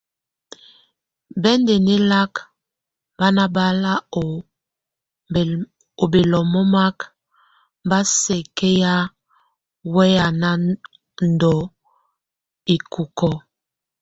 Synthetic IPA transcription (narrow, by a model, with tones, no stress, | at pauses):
bɛ˦nde˨ne˦la˦k | ba˦na˦ba˦la˦o˨ | o˨be˨lɔ˨mɔ˦ma˦k | ba˦sɛ˨ke˦ja˦ | wɛ˦ja˨na˦ | n˨dɔ˨ | i˨ku˨kɔ˦